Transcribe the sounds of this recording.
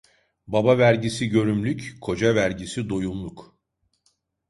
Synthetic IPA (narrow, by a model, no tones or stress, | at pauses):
babavæɾɟisiɟø̞ɾymlʲyckʰo̞d͡ʒavæɾɟisid̪ojumlˠuk